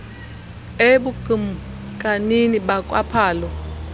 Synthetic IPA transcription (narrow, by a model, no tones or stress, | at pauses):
eɓuɡim | kʼaniniɓakʼwa̰pʰaːlɔ